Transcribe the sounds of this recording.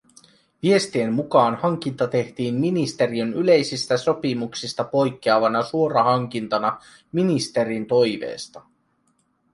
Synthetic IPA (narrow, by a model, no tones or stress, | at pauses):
ʋie̞st̪ie̞mːukɑːnhɑŋk̟int̪ɑt̪e̞ht̪iːmminist̪e̞ɾiønyle̞jsist̪æso̞pimuksist̪ɑpo̞jkːeɑʋɑnɑsuo̞ɾɑɦɑŋk̟int̪ɑnɑ | minist̪e̞ɾint̪o̞jʋḛːst̪ɑ